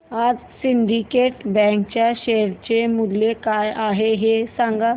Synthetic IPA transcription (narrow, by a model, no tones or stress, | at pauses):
aːd͡ʒsɪɳɖikeːʈbɛ̃ːŋkt͡ɕaʃeɦəɾt͡ɕemʊd̪lekaːjaːɦeɦesãŋɡa